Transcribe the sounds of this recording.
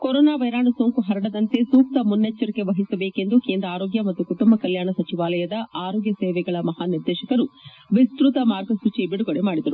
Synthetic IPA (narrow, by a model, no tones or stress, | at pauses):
koɾoːnaːʋɐjɾaːɳɐsoːŋkuɦɐɾɐɽɐd̪ɐnt̪e̞suːk̚t̪ɐmunːet͡ʃːɐɾike̞ʋɐɦisɐbeːkend̪ukeːnd̪ɾaːɾoːɡjɐmɐt̪ːukuʈumbɐkɐljaːɳɐsɐt͡ʃiʋaːlɐjɐd̪ɐʔaːɾoːɡjɐseːʋɛɡɐɭɐmɐɦaːniɾd̪ɛːʃɐkɐɾu | ʋist̪ɾut̪ɐmaːɾɡɐsut͡ʃibiɽuɡoɽemaːɽid̪ɐɾu